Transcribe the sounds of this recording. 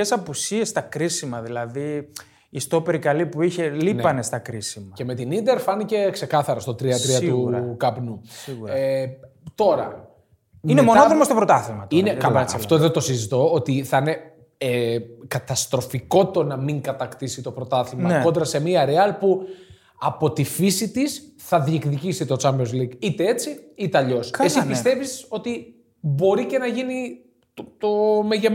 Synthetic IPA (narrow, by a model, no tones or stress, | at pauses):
esɐpusiest̪ɐkɾisimɐðilɐði | ist̪opeɾikɐlipuiçe̞linepɐne̞st̪ɐkɾisimɐce̞me̞t̪inind̪e̞ɾfɐnice̞kse̞kɐθɐɾɐst̪o̞t̪ɾiɐt̪ɾiɐt̪ukɐpnusɣue | t̪o̞ɾɐ | inemonoðɾomɐst̪o̞pɾot̪ɐθimɐt̪inekɐlɐɐft̪oðet̪o̞sizit̪o̞ot̪iθɐine̞ | kɐt̪ɐst̪ɾo̞fiko̞t̪o̞nɐmiŋɡɐt̪ɐkt̪isit̪o̞pɾo̞t̪ɐθimɐo̞nd̪ɾɐse̞miɐɾeɐlpu | ɐpo̞t̪ifisit̪isθɐðiekðicisit̪ot͡sɐmjonzliɡit̪ee̞t͡siit̪eɐʎo̞sesipist̪e̞viso̞t̪i | bo̞ɾice̞nɐʝini | t̪o̞meʝem